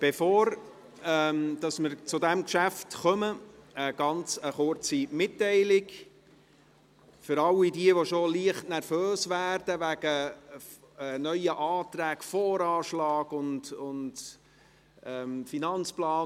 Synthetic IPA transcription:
b̥efoːɾ | ɛdɑsmɪɾt͡sʊdæmkʃæftχœməəɡ̥ɑnt͡səχʊɾt͡simɪtːɛɪlɪɡ | fʏɾɑlːidiəʋoʃoliəχtnærføːsvæːrd̥əʋæɡ̥ə | nœʏəʔɑːtɾæːkfɔːɾɑːʃlɑːɡ̥ʊndʊnd | ɛmfinɑnt͡splɑː

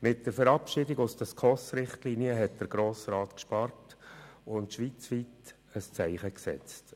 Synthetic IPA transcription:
mɪtd̥əɾfəɾɑpʃɪːdɪɡʊsd̥ɑskʰɔsɾɪχtliːniəɦɛtd̥əɾɡ̥ɾoːsrɑːtkʃpɑrtʊntʃʋiːt͡sʋiːt | əst͡sæɪχəksɛ̰t͡st

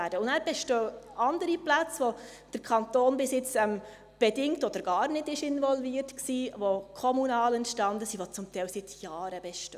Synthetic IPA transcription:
æːd̥əʊndæːɾb̥ɛʃtøɑndəɾiplæt͡sʋo | d̥əɾkʰɑntoːnbɪsjɪt͡sɛm | b̥ɛdɪŋtɔd̥əɾɡ̥ɑːɾnɪtɪʃɪnvɔlviːəɾtksiːʋokʰɔmunɑːlɛntʃtɑndəsiʋot͡sʊmtʰɛɪwsɪtjɑːɾəb̥ɛʃtø

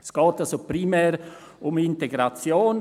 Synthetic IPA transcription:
sɡ̥ɑːtalsopɾimɛːɾ | ʊmɪnteɡɾat͡sjoːn

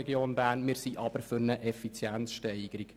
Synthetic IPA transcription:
ɛɡjoːnbæːrnmɪːɾsiʔɑb̥əɾfʏɾnəʔɛfit͡sjænt͡sʃtɛɪɡ̥əɾik

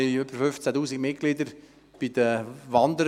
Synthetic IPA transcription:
ʏbəɾfʏft͡sætuːsiɡmɪtkɡ̥lɪd̪əɾ | b̥id̥̪əʋɑnd̪əɾ

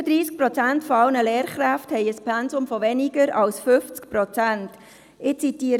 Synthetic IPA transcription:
əd̪ɾiːsk̚prɔt͡sæntfɔɑlnəlɛːɾχɾæfthɛɪəspʰɛnzʊmfɔvɛniɡəɾɑlsfʏft͡skpɾɔt͡sænt | ɪt͡sitiːɾ

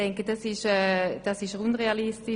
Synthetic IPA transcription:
ɛŋkəd̥ɑsɪʃɛːd̥aɑsɪʃunʁealisti

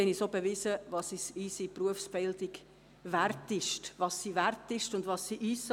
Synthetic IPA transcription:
ɛnisobevɪzəvɑsisiːsipruəfsb̥ɪldiɡ | værtɪʃtʋɑsːiværtɪʃtʊndvɑsːiʔiːs

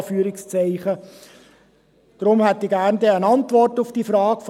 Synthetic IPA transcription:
fyːɾɪkst͡sɛɪχə | d̥ɾʊmhæt̪ːiɡæːɾndeːənɑntʋɔrtufd̥iːfrɑːɡf

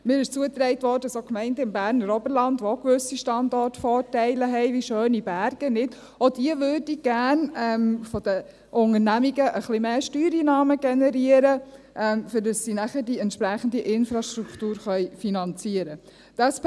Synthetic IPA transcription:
mɪːɾɪʃt͡suət̪ɾɛɪtʋɔːdədɑsokmɛɪndəɪmbæːɾnəɾɔbəɾlɑndokʋøsiʃtɑndɔɾtfɔːɾtɛɪləɦɛɪʋiʃøːnibæɾɡ̥ənɪt | od̥iəʋødiɡ̥æːɾnɛmfɔd̥ə | ʔʊŋəɾnæmiɡəʔəχlimeːʃtyːɾinɑːməɡ̥ɛnɛɾiəɾə | ʔɛmfɪɾdɑsːinæχəɾdiɛntpɾæχən̩diʔɪnfɾɑʃtɾuktuːɾχœjfinɑnt͡siəɾə | d̥ɑs

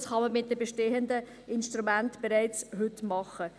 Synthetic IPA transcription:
sχɑməmɪt̚dəbɛʃteːəndə | ɪnʃtɾumæntb̥eɾɛɪt͡shɵtmɑχə

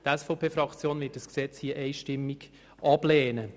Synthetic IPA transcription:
d̥ɛsfopʰeːfɾɑkt͡sjoːnvɪːt̚d̥ɑsksɛt͡shiəʔɛɪʃtɪmːiɡ̥ | ʔɑblɛːnə

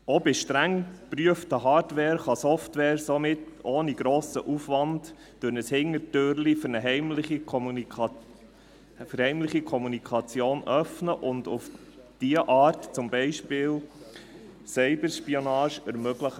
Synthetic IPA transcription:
obɪʃtɾæŋpɾyəftəɦɑːɾtʋɛːɾχɑsɔftʋɛːɾsɔmɪtoːniɡ̥ɾoːsə̰ʔufʋɑntː | ønəshɪŋːətøːɾlifəɾnəɦɛɪmlɪχim | fəɾhɛɪmləχikʰɔmunikʰɑt͡sjoːnœfnəʔʊndʊf | d̥iəʔɑːɾtt͡sʊmbɛɪʃpɪːl | sɛɪbəɾʃpionɑːʃəɾmøɡləχ

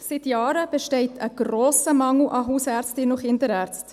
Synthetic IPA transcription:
sɪt̪jɑːɾəb̥eʃtɛɪtʰəɡ̥roːsəmɑŋl̩ʔɑɦuːsæːɾt͡stɪnʊχɪndəɾæːɾt͡st

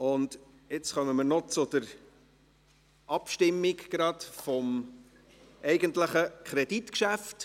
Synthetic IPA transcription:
ʊnd | ɪt͡sχœməməɾnɔt͡sʊd̥̪əɾ | ʔɑpʃtɪmːiɡɡ̥ɾɑdfɔm | ʔɛɪɡəntləχəkʰχɾɛd̥itkʃæft

